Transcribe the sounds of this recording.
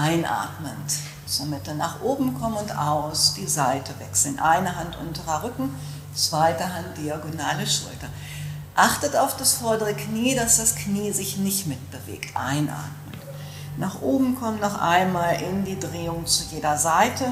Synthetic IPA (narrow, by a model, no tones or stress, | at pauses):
ʔaɪnʔa̰ːtmən | t͡suːɐmɪtəna̰ːχʔoːbm̩kʰɔmənʊnta̰ʊsd̥iːzaɪtʰəvɛksl̩nʔaɪnɐɦantʔʊ̰ntəʁɐʁʏkŋ̩ | t͡sv̥aɪtəɦant̚d̥iaɡonaːləʃʊ̰ltɐ | ʔaχtətaʊfd̥asfɔɐdəʁ̞əkniːdasd̥askniːzɪçnɪçtmɪt̚b̥əvḛːktʔa̰ɪnʔa̰ːɐtmənt | naːχʔoːbm̩kʰɔmənːɔχʔa̰ɪnmaːlʔɪndiːdʁeːʊŋt͡sujeːdɐzaɪtʰə